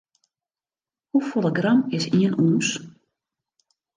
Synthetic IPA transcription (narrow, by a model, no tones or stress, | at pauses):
hufolˠəɡrɑmɪsiənʔuːns